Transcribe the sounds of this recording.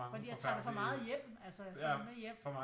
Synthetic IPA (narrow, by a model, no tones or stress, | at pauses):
fɒd̥ḭːjat͡sʰɑdefɒ̽mɑ̈ːð̩ˠjem̰ælsəsmejem̰ɒmː